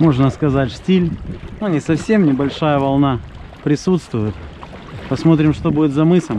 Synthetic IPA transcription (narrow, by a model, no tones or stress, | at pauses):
mo̞ʐnəskɐzatʲʂʲtʲilʲnonʲɪsɐfsʲe̞mnʲɪbɐlʲʂajəvɐlˠnapɾʲɪsut̪st̪vʊjɪt̪ | pɐsmo̞t̪ɾʲɪmʂt̪obudʲɪt̪zɐmɨsəm